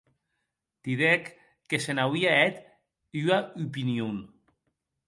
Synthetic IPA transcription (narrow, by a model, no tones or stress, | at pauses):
t̪iðekː | esenawiaɛt̪ | yaupinjun